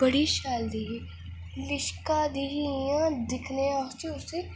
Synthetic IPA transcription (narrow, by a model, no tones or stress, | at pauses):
bɐɽiʃaːld̪iɦi | lɪʃkad̪iɦijãd̪ɪkʰneãt͡ʃiʊse